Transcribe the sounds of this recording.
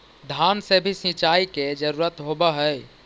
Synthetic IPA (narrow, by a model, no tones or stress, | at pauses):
d̪ʱansebʱisĩt͡ʃaiked͡ʒəɾuɾət̪ɦobəɦəj